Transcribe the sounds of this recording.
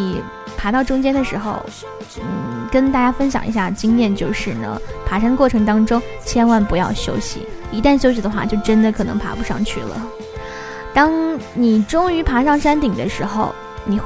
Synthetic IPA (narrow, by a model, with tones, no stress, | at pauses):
i˨˩ | pʰa˧˥t̪ɑ˥˩ʊʈ͡ʂʊ˥ŋt͡ɕjɛ˥nd̪ə˨ʂɻ̩˧˥xo̰˧ʊ | n̩˥˩kə˥nt̪a˥˩t͡ɕja˥fə˥nɕjɑ̰˨˩ŋi˧˥ɕja˥˩t͡ɕi˥ŋnjɛ˥˧nt͡ɕjo˥˧ʊʂɻ̩˥˩nə̰˩pʰa˧˥ʂa˥nd̪ə˧kwɔ˥˩ʈ͡ʂʰɤ˧˥ŋt̪ɑ˥ŋʈ͡ʂʊ˥ŋ | t͡ɕʰjɛ˥nwa˥˩npu˧˥jɑ˥˩ʊɕjo̰˥ʊɕḭ˨˩i˧˥t̪a˥˩nɕjo˥ʊɕ̬i˨˩d̪ə˦xwa̰˥˧t͡ɕjo˥˩ʊʈ͡ʂə˥nd̪ə˨kʰɤ˨˩nɤ˧˥ŋpʰa̰˧˥pu˧˥ʂɑ̰˥˧ŋt͡ɕʰy˥˩lə̰˩ | t̪ɑ˥ŋni˨˩ʈ͡ʂʊ˥ŋy˧˥pʰa˧˥ʂɑ˥˩ŋʂa˥nt̪i˨˩ŋd̪ə̰˦ʂɻ̩˧˥xo˧ʊ | ni˨˩x